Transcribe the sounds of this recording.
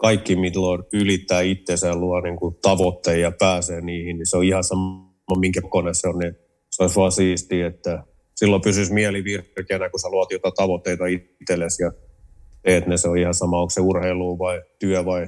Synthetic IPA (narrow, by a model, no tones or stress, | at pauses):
kɑikːimit̪lonylit̪ːæːit̪ːeseːlluɑniŋkut̪ɑʋot̪ːeijɑpæːseːniːhinniseoihɑsɑmː | ɑmiŋkækoneseonni | sɑisʋoɑsiːst̪iːet̪ːæ | silːopysysmiɛliʋirkenækusɑluɑt̪jot̪ɑt̪ɑʋot̪ːeit̪ɑi | t̪elːesjɑt̪eːt̪neseoihɑsɑmɑoŋkseurheiluːʋɑit̪yœʋɑi